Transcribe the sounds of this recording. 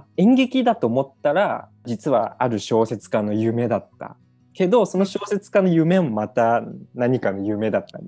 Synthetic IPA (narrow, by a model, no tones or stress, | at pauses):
ẽ̞ŋɡe̞kʲid̪at̪o̞ːmo̞t̪ːaɾa | d͡ʑit͡sɨβa̰aɾɯ̟ɕo̞ːse̞t͡sɨ̥kano̞jɯ̟me̞d̪at̪ːa̰ | ke̞d̪o̞so̞no̞ɕo̞ːse̞t͡sɨ̥kano̞jɯ̟me̞momat̪anaɲ̟ikano̞jɯ̟me̞d̪at̪ːa̰n